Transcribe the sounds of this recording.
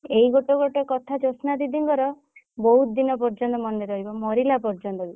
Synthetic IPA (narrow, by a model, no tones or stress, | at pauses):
eiɡoʈɔɡoʈɔkɔt̪ʰad͡ʒosnad̪id̪iŋkɔɾɔ | bɔɦut̪d̪inɔp̬ɔɾd͡ʒɔnt̪ɔmɔnːeɾɔɦibɔmɔɾilapɔɾd͡ʒɔnt̪ɔbi